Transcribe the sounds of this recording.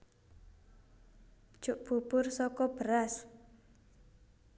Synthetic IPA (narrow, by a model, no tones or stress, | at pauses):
ʒ̥ʊʔb̥ṳpʊrsɔkɔb̥əɾas